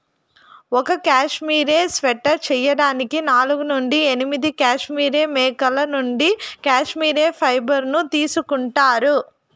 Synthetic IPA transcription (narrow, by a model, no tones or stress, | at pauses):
ɔkɐkaːʂmiːɾeːsʋɛʈːɐt͡ʃɛjɐɽaːnikinaːluɡunuɳɖienimid̪ikaːʂmiːɾe̞ːmɛːkɐlɐnuɳɖikaːʂmiːɾe̞ːpʰɐjbɐɾnut̪iːsukuɳʈaːɾu